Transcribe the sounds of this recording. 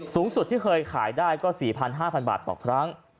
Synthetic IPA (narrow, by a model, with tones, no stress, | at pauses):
suː˨˩˦ŋsu˨˩t̪ʰːiː˥˩kʰɤː˧jkʰa̰ː˩˦jdaː˥˩jkɔː˥˩siː˨˩pʰa˧nɦaː˥˩pʰa˧nba̰ː˨˩t̪̚ːɔ̰ː˨˩kʰɾa˦˥ŋ